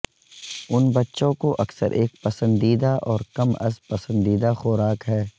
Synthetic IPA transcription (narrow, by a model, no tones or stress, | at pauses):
ʊnbɐtːʃõkoʔɐksə̰ɾʔeːk̚pɐsə̃nd̪iːd̪aʔɔːɾkɐmɐ̰spɐsə̃nd̪iːd̪axoːɾaːkɦɛː